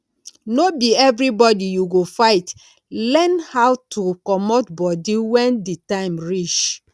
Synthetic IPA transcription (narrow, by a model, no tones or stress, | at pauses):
nobiɛvɾibɔdijuɡofaɪt | lɛnhaʊtʰukɔmotbɔdiwɛ̃nditãɪ̃mɹit͡ʃ